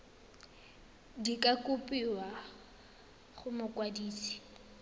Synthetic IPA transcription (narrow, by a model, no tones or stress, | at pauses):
dikʼakʼʊpʼiwa | χʊmʊkʼwadiːsi̥